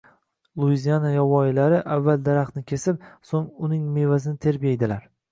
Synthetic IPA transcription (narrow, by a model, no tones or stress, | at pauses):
lˠuizijanajɒvɒjɪlaɾɪʔavːald̪aɾaχnɪkʲʰe̞sɪp̚soŋʊnɪŋme̞vazɪnɪt̪ʰe̞ɾbʲijaed̪ɪlaɾ